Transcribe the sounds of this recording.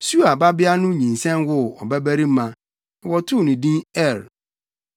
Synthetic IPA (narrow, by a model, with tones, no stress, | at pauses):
su˦a˨ba˦bɪ˦a˦nʊ̃˦ɲĩ˨n˨sɛ̃˦nwʊ˦ɔ˨bæ˦bæ˦ɾi˦mã˦ | ɪ˨wɔ˨tʰʊ˦˨nĩ˨dĩ˦ɛ˦˨ɾ